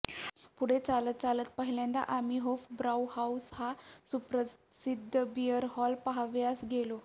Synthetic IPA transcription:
puɽ̤et͡salət̪̚t͡salət̪̚pəɦiljãnd̪a̰ʔamiɦofbɾawhaushasupɾə | sid̪ʱːəbijəɾɦɔlpaɦaʋjasɡelo

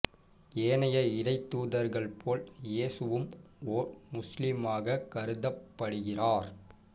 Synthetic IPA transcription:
eːɳɐjɐɪɾɐɪt̪ːuːðɐɾɣɐɭpʰoːljeːsɯʋɯm | oːɾmʊslɪmaːɣɐkɐɾɯðɐpːɐɽɯɣɪraːɾ

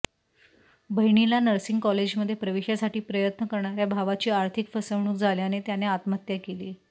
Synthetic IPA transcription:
bʱəɦɳ̃ilanəɾsiŋɡkɔled͡ʑməd̪ʱːjepɾəʋiɕjasaʈiːpɾəjət̪nəkəɾɳaɾjabʱaʋat͡ɕiːaɾt̪ʰikfəsəʋɳ̃uːd͡zʱaljanet̪janeat̪mat̪jakeliː

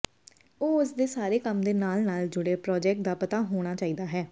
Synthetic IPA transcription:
oːʊsd̪eːsaːɾeːkəmd̪eːnaːlnaːld͡ʒʊɽeːpɾɔːd͡ʒɛːk̚ʈ̚d̪aːpət̪aːɦoːɽ̃aːt͡ʃaːiːd̪aːɦɛː

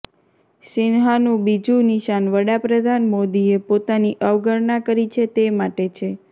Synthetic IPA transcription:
ʃɪnɦanũbid͡ʒũniʃanʋəɽapɾəd̪ʱanmod̪iepot̪aniʔəʋɡəɾnakəɾit͡ʃʰet̪emaʈet͡ʃʰe

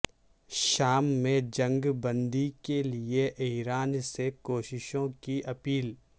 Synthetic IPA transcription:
ʃaːmːẽd͡ʒɐ̃ŋɡbə̃nd̪ikelieʔɪɾaːnsekoːʃɪʃõkiʔɐpiːl

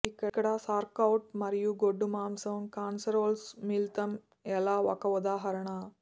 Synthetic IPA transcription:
ikːɐkːɐɽasaːɾkɐwʈ̚mɐɾijuɡoɖːumaːmsɐʋɐmkaːnsɐɾoːlsmilt̪ɐm | ɛlaːʋɐ̰kɐʋud̪aːɦɐɾɐɳɐ

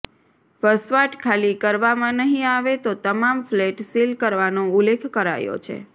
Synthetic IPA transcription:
ʋəsʋaʈkʰalikəɾʋamãnəɦĩaʋet̪ot̪əmamfleʈsilkəɾʋanõulekʰkəɾa̰jo̰t͡ʃʰḛ

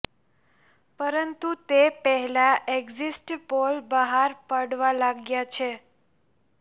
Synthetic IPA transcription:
pəɾənt̪ut̪epəɦɛlaʔeɡzisʈpolbəɦaɾpəɽʋalaɡjat͡ʃʰe

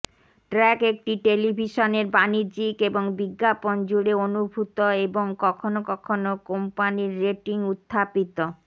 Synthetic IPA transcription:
ʈɾɛkek̚ʈiʈelibʱiʃoneɾbaniɾd͡ʑikeboŋbiɡːapond͡ʑuɽeonubʱut̪oeboŋkɔkʰonokɔkʰonokompaniɾːeʈiŋut̪ʰːapit̪o

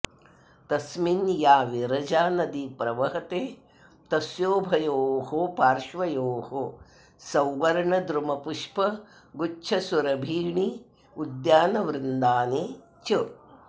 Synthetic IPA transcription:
t̪ɐsminjaːʋiɾɐd͡ʒaːnɐd̪ipɾɐʋɐɦɐt̪eː | t̪ɐsjoːbʱɐjoːɦopaːɾʃʋɐjoːho | sɐwʋɐɾɳɐd̪ɾumɐpuʂpɐ | ɡut͡ʃʰɐsuɾɐbʱiːɳi | ud̪jaːnɐʋɾɪnd̪aːni | t͡ʃɐ

